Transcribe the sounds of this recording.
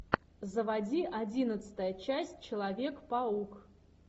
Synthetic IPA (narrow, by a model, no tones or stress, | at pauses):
zəvɐdʲiʔɐdʲinət̪sɨ̥t̪əjət͡ɕæsʲt̚ʲt͡ɕɪlˠɐvʲe̞kpauk